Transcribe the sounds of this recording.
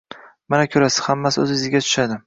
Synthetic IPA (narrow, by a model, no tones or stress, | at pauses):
manakʲʰɵɾasɪ̥z̥hamːasɵzɪzɪɡʲat̪ʰʊ̥ʃad̪ɪ